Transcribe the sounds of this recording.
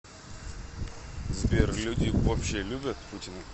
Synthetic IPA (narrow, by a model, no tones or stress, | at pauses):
zbʲerlʲudʲɪvɐpɕːelʲubʲət̪putʲɪnʊ